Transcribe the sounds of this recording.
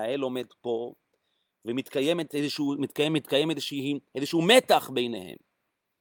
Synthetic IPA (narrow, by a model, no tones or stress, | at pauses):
aelo̞me̞d̪po̞ | vemit̪kajemet̪ezeʃumit̪kajemit̪kajemezeʃiʔezeʃumet̪aχbe̞jnḛhḛm